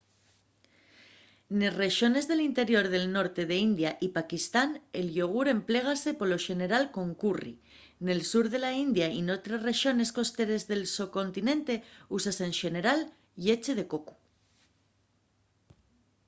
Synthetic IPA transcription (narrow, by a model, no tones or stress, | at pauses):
ne̞re̞ʃo̞ne̞zðe̞lint̪e̞ɾjo̞ɾð̞e̞lno̞ɾt̪e̞ðe̞ind̪jaʔipakist̪ane̞lʝo̞ɣ̞uɾe̞mple̞ɣ̞ase̞po̞lo̞ʃe̞ne̞ɾalko̞ŋkurḭ | ne̞lsuɾðe̞laind̪jaino̞t̪ɾesre̞ʃjo̞ne̞sko̞st̪e̞ɾe̞zðe̞lsoko̞nt̪inẽ̞nt̪e̞usase̞nʃe̞ne̞ɾal | je̞t͡ʃeð̞e̞ko̞ku̥